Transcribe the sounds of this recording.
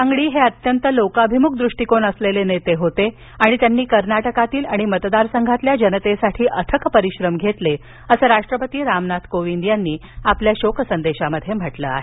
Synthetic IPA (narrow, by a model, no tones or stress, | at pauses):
aŋɡɭiːɦeət̪jənt̪əlokabʱimuk̚d̪ɾuʂʈikonəslelenet̪eɦot̪e | aɽ̃it̪janːiːkəɾnaʈəkat̪iːlaɽ̃imət̪d̪aɾsəŋɡʱat̪ljad͡ʑənət̪esaʈʰiːʔət̪ʰəkpəɾiɕɾəmɡʱet̪le | əsəɾaʂʈɾəpət̪iːɾamnat̪koʋind̪janːiːapljaɕokʰsənd̪eɕaməd̪ʱjem̤əʈlə̰a̰ɦe